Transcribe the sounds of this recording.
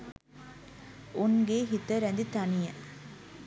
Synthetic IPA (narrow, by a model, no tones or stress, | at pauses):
ʔunɡeɦit̪əɾænd̪it̪ɐnijə